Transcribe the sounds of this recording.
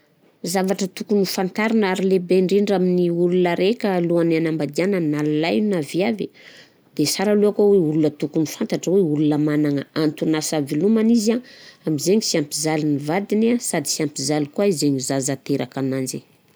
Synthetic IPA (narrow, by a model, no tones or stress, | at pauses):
zavaʈ͡ʂət̪ukunifant̪aɾinaɾilebeɳɖ͡ʐiɳɖ͡ʐaminiulunəɾekʲaluananambad̪ianənalalajnavjavi | d̪̥esaɾaluakoweulunət̪ukunifant̪aʈ͡ʂəweulunəmanaŋəant̪unasavilumanizaamizeɲisiampizalinivad̪inasad̪isiampizalikuaizeɲizazat̪eɾʔakanand͡ʒi